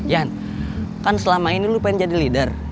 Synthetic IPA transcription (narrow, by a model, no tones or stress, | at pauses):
jan | kansəlamainilupaɪŋd͡ʒadilidər